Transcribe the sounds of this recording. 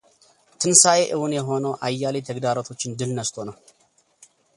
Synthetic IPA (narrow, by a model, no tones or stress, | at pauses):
t̪ʰɨnsajeʔɨwʊnjɛɦo̞nowʔajːalit̪ʰəɡd̪aɾot̪ʰo̞t͡ʃːɪnd̪ɨlnɐst̪ʰonɐw